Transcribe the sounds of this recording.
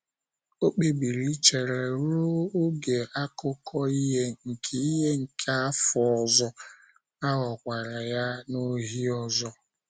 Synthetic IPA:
o˦k͡pe˨bi˨ɾi˦t͡ʃe˨ɾe˨ɾʊ˦o˦ɡe˨ʔa˦kʊ˦kʰɔ˦i˦ɦe˦ŋ̩˨kʰe˨i˦ɦe˦ŋ̩˨kʰe˦a˦fɔ˨ɔ˨zɔ˦ | a˦ɣɔ˨kʷa˨ɾa˨ja˦no˦ɦi˦ɔ˦˨zɔ˦

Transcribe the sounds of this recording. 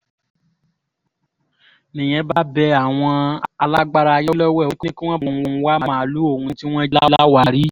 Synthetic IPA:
nĩ˨j̃ɛ̃˨˧˦ba˦bɛ˧a˨w̃ɔ̃˧a˧la˦ɡ͡ba˦ɾa˧jɔ˦lɔ˦wɛ˦˨o˦knĩ˦ki˦w̃ɔ̃˦˨˧wa˦˨˦mã˦˨lu˦o˦˨hũ˧ti˦w̃ɔ̃˦i˦la˦la˦wa˦˨ɾi˦

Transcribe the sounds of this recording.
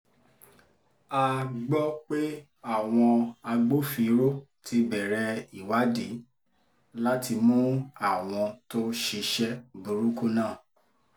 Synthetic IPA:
a˧ɡ͡bɔ˦k͡pe˦ | a˦˨w̃ɔ̃˧a˧ɡ͡bo˦fi˧˦ɾo˦ | tʰi˧bɛ˨ɾɛ˧i˨wa˨˦di˨˦ | la˦ti˧mũ˦a˦˨w̃ɔ̃˧to˦ʃi˧ʃɛ˦bu˨ɾu˦ku˦nãː˦˨

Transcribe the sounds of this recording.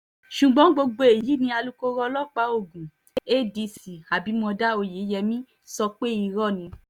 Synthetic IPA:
ʃu˨ɡ͡bɔ̃˨˦ɡ͡bo˧ɡ͡bo˧e˨ji˨˦nĩ˧˦a˧lu˧ko˧ɾɔ˧lɔ˦k͡pa˨˦o˦˨ɡũ˨ | e˦˨di˧si˨a˨bi˨˦mɔ̃˧da˦o˧˨je˨˦jɛ˧mĩ˦ | sɔ˧k͡pe˦i˧ɾɔ˦˨nĩ˧

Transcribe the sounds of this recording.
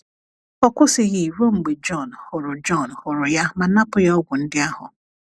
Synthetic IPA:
ɔ˦kʷʊ˦sɪ˨ɣi˨i˨ɾo˦ŋ͡m̩˨ɡ͡be˨d͡ʒɔ˦˨nhʊ˨ɾʊ˨d͡ʒɔ˦˨nhʊ˨ɾʊ˨ja˦ma˨na˦pʊ˨˦jɔ˦ɡʷʊ˨n̩˦dɪ˦a˦hʊ̰˨

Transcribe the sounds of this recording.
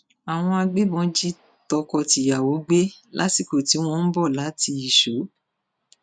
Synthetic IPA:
a˨w̃ɔ̃˧a˧ɡ͡be˦bɔ̃˨˧˦d͡ʒi˦ | tɔ˧kɔ˧ti˨ja˨wo˨˦ɡ͡be˦lʔa̰˨˦si˦˨ko˨ti˨˦w̃ɔ̃˦n̩˦bɔ˦˨la˨˦ti˧i˦˨ʃo˨˦

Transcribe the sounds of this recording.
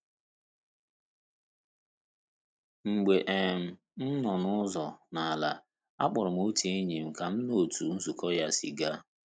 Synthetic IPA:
ŋ͡m̩˨ɡ͡be˨ʔe˨m̩˨ | n̩˦nɔ˨nʊ˦zɔ˨na˨a˨la˨ | a̰˦k͡pʊ˨ɾʊ˨m̩˦o˦te˦e˦ɲe˨m̩˨ka˨m̩˦no˨tu˨n̩˦zu˨kɔ˦ja˦˨si˨ɡa˦

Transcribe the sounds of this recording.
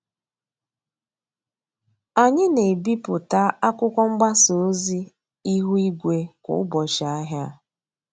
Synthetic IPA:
a˨ɲɪ˦ne˨bi˦pʊ˨ta˦a˦kʷʊ˦kʷɔ˦ŋ͡m̩˦ɡ͡ba˦so˨˦zi˦ | i˦ɦu˦i˦ɡʷe˦kʊ̰˨˦bɔ˨ʃa˨a˦ɦja˦

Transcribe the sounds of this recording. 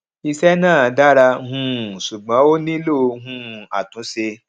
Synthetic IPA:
i˧sɛ˦nãː˦˨˦da˦ɾa˧ɦũ˧˦˨su˨ɡ͡bɔ̃˨˦o˦nĩ˦lo˦˧ɦũ˧˦˨a˨tũ˨˦se˧

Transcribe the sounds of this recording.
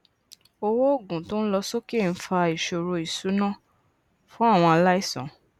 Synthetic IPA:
o˧wo˦o˦˨ɡũ˨to˦n̩˦lɔ˧so˦ke˦˨n̩˦fa˧i˨ʃo˧˨ɾo˧i˨su˨˦nã˦˨ | fũ˦a˦˨w̃ɔ̃˧a˧la˦i˦˨sɔ̰̃˨

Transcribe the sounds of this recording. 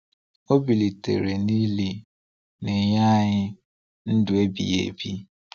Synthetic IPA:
o˦bi˨li˨tḛ˨ɾe˨ni˦li˨ | nɪ˨ɲa˦˨ɲɪ˦ | n̩˦dʊ˨e˦bḭ˨jḛ˨bi˦

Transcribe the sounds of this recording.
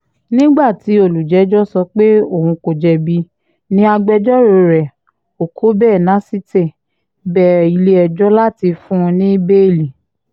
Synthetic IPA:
nĩ˦ɡ͡ba˦˨ti˨˦o˨lu˨d͡ʒɛ˨˦d͡ʒɔ˦sɔ˧k͡pe˦o˦˨hũ˧ko˨d͡ʒɛ˧bi˧˦ | nĩ˦a˧ɡ͡bɛ˧d͡ʒɔ˦ɾo˧ɾɛ˨ | o˨kʰo˨˦bɛː˦˨nã˨˦si˦te˦˨ | bɛ˦˨i˧le˦ɛ˧d͡ʒɔ˦la˦˨ti˧fũ˦˧nĩ˦be˦˨li˨

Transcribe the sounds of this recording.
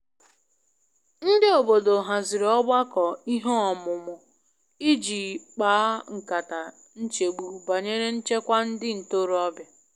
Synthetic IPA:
n̩˦dɪ˦o˨bo˨do˨ɦa˨zɪ˨ɾɔ˦ba˦kɔ˨i˦ɦo˦ɔ˨mʊ˨mʊ˨ | i˦d͡ʒi˨k͡paː˨˦ŋ̩˨ka˨ta˨ | n̩˦t͡ʃe˨ɡ͡bu˨ba˨ɲe˦ɾe˦n̩˦t͡ʃe˦kʷa˦n̩˦dɪ˦n̩˨to˦ɾɔ˦bja˨

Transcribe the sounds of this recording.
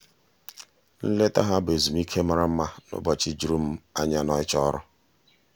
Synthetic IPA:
n̩˦le˦ta˦ɦa˦be˨zu˨m̩˦i˦kʰe˦ma˦ɾa˦m̩˦ma˦nʊ̰˦bɔ˨t͡ʃi˦d͡ʒu˦ɾu˦m̩˦a˦ɲa˦nɔ˦ɪ˦t͡ʃɔ˦ɾʊ˦

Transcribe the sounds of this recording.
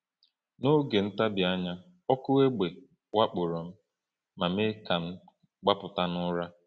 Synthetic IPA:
no˦ɡe˨n̩˦ta˦bɪ˨a˦ɲa˦ | ɔ˦kʊ˦we˦ɡ͡be˨ | wa˦k͡pʊ˨ɾɔ˨m̩˦ | ma˨me˦ka˨n̩˦ | ɡ͡ba˦pʊ˨ta˦nʊ˦ɾa˦

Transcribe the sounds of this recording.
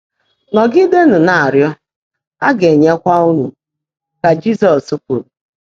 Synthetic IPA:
nɔ˨ɡɪ˦de˦n̩˨na˨a˨ɾjɔ˦ | a˦ɡe˨ɲe˦kʷa˦u˦nu˨ | ka˨d͡ʒi˦sɔ˨su˦kʷu˨ɾu˨

